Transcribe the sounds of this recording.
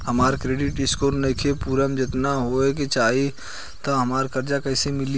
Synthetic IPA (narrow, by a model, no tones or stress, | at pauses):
ɦɐmaːɾkɾeːɖɪʈɪskoɾnɐkʰepuːɾəmd͡ʒɪt̪naɦoeket͡ʃaːi | t̪aɦɐmaːɾkɐɾd͡ʒakɛːsemɪli